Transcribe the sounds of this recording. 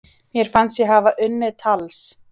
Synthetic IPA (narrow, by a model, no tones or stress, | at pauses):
mjɛɾ̥fansjɛɦaːvaʔʏnːɪt̪ʰals